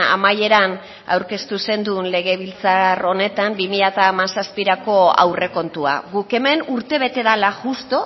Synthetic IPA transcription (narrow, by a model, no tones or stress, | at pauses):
a̰maje̞ɾan | a̰wɾke̞st̪use̞nd̪unle̞ɣ̞e̞β̞ilt͡saro̞ne̞t̪ambimiʎat̪aːmasaspiɾako̞a̰wre̞ko̞nt̪ua̰ɣuke̞me̞nuɾt̪e̞β̞e̞t̪e̞ðalaʝust̪o̞